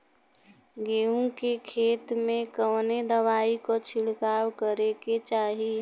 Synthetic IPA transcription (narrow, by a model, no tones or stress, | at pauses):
ɡeːũkekʰeːt̪mẽkəwned̪əʋaːikot͡ʃʰɪɽkaːwkəɾeket͡ʃaːɦi